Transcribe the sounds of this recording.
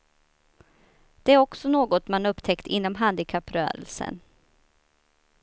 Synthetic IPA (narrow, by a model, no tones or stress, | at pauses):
d̪̥ɛæɾɔksɔnoːɡɔt̪manɵpːt̪ʰɛkt̪ɪ̰nːɔmɦand̪ɪkʰapːɾœ̰ːɾə̰lsə̰n